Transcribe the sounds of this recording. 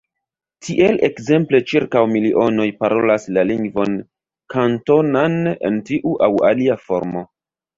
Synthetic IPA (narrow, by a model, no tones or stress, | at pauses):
tʰiʔe̞lʔe̞̰kze̞mple̞t͡ʃiɾkawmiliʔo̞no̞jpaɾo̞laslaliŋɡvo̞n | kʰanto̞nane̞̰ntiʔuʔawaliafo̞̰ɾmo̞